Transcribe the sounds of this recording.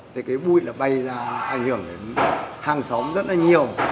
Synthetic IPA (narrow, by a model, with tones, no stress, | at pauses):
t̪ʰi˨˩kaː˨˦jɓṵ˧˩˨jlaː˨˩ɓa˧jzaː˧ʔa˧˩jŋ̟hɨ˧˩əŋɗḛ˨˦nhaː˧˩ŋsɔ˨˦wŋ͡mzə˦˥t̚laː˨˩ɲi˨˩əw